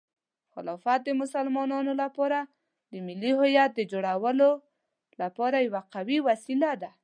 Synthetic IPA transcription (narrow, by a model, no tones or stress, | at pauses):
xɪlɑfat̪̚d̪əmʊsalmɑnɑnolapɑɾa | d̪əmɪlːiɦʊjat̪̚d̪əd͡ʒoɽawəlo | lapɑɾajawaqawiwasilad̪a